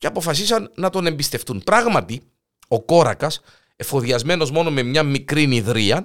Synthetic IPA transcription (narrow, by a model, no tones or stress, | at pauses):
ceɐpo̞fɐsisɐnːɐt̪o̞ne̞mbist̪e̞ft̪unpɾɐɣmɐt̪i | o̞ko̞ɾɐ̰kɐs | e̞foðiɐzme̞no̞zmo̞no̞me̞mɲɐmikɾiniðɾiɐ